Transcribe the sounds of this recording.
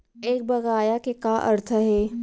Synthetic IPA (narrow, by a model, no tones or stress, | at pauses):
eːk̚bɐɣaːjakekaːʔɐɾt̪ʰəɦɛː